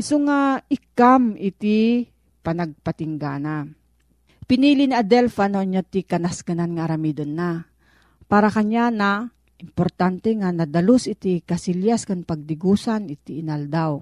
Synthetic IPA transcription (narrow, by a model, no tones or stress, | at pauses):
ɪsoŋaɪkamʔɪt̪i | pɐnɐɡ̚pɐt̪ɪŋɡana | pɪniːliniʔɐd̪ɛlfanoʔɲːot̪ikɐnaskananŋaʔaɾɐmid̪onːa | paːɾɐkɐɲana | ʔɪmpoɾt̪ant̪ɛŋanɐd̪ɐlosʔɪt̪ikɐsiljaskaŋpɐɡ̚d̪ɪɡuːsanɪt̪iʔɪnald̪aw